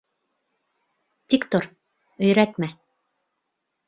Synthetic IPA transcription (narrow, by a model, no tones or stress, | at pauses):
t̪ʲikt̪oɾ | ɵ̆jɾæt̪mæ